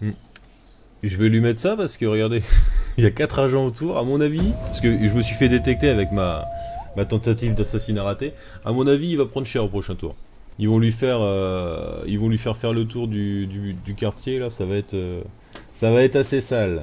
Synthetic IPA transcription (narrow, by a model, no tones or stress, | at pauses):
m̩ | ʒəvɛlɥimɛt̪sapaʁsə̥kəʁəɡaʁd̪eiljakat̪χaʒɑ̃ot̪uːʁamɔ̃navipaʁsə̥kəʒəməsɥifɛd̪et̪ɛk̚t̪eavɛkma̰mat̪ɑ̃t̪at̪ivd̪asasinaʁat̪e | amɔ̃naviːlvapχɑ̃d̪ʁʃɛʁopχɔʃɛ̃t̪ṵːʁ | ilvɔ̃lɥifɛʁø | ḭlvɔ̃lɥifɛʁfɛʁlət̪uʁd̪yd̪yd̪ykaʁt̪jelasavaɛt̪χø | savaɛt̪χasesal